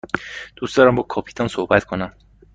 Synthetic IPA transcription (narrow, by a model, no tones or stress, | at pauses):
d̪̥usd̪ɒːɾæmbɒkʰɒpʰi̥t̪ʰɒnsohbæt̪kʰonæm